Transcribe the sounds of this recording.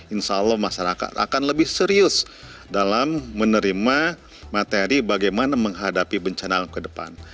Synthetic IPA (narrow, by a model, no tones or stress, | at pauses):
inʃaulːɔhmaʃaɾaka̰t̪a̰kanləbɪhsəɾiʊs | dalamːənəɾima | mat̪eɾibaɡajmanaməŋɦadapibəɲt͡ʃanankədəpa̰n